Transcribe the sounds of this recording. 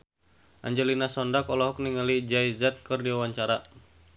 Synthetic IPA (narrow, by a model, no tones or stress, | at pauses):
ʔa̰ɲd͡ʒɛlinasɔndakɔlɔɦɔk̚niŋalid͡ʒajzɛt̪̚kɨrdiwawaɲt͡ʃaɾa